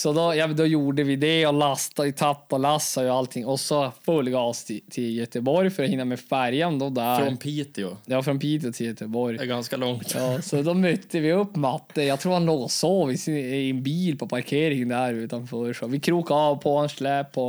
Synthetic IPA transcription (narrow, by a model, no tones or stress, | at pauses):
sɔd̪ɔjɑd̪ɔjuːɖəvɪd̪ɛɔlast̪aɪt̪ʰapːɔlasːajʊalt̪ʰɪŋːɔsːɔfɵlːɡast̪ʰɪt̪ʰɪljœt̪əbɔɾjfœɾɔhɪnːamɛfæɾjand̪ɔd̪æfɾɔnpʰiːt̪ɪʊjɑːfɾɔnpʰiːt̪ɪʊt̪ʰɪljœt̪əbɔɾjɡanskalɔŋt̪ɑːsɔd̪ɔmœt̪ːəvɪɵppːmɑt̪ːəjɑɡt̪ʰɾuːɾhanloːɡɔsoːvɪsɪɪnbiːlpʰɔpʰaɾkʰeːɾɪŋənd̪æɾʉːt̪ɑnfœːɾəʂɔʋɪkʰɾuːkaɑːvpʰɔɛnʂɭæːpʰːɔ